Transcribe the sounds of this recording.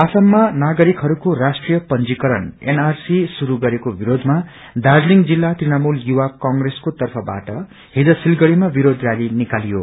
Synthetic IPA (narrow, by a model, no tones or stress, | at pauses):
asʌmːanaɡʌɾikɦʌɾukorasʈrijʌpʌnd͡zikʌɾʌnḛnarsisuɾuɡʌɾekobiɾod̪ʱma | d̪ad͡zliŋd͡zilːat̪rinamuljuwakʌŋɡreskot̪ʌrpʰʌba̰ʈʌ | hid͡zʌsilɡʌɽimabiɾod̪rjaɾinikalijo̰